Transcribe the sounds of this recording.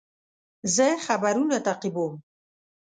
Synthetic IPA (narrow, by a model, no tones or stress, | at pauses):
zeχabaɾunat̪aqibom